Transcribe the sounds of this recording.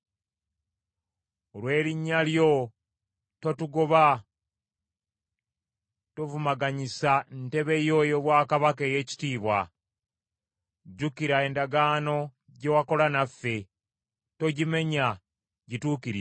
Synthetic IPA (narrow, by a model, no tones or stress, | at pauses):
olwe̞ːɾiɲːaljo̞ | to̞tuɡo̞βa | tovumaɡaɲisan̩te̞βe̞jo̞joːβwaːkaβakeːje̞ːci̥tiːβwa | ɟukiɾae̞ːndaɡaːno̞ | ɟe̞wako̞lanafːe̞ | to̞ɟime̞ɲa | ɟituːkiɾi